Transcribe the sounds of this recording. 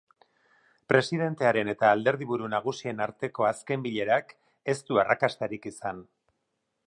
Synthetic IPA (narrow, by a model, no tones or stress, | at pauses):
pɾe̞siðe̞nt̪e̞aɾe̞ne̞t̪aːld̪e̞ɾð̞iβuɾunaɣ̞usie̞naɾt̪e̞ko̞aske̞mbiʎe̞ɾak | e̞st̪uarakast̪aɾikisan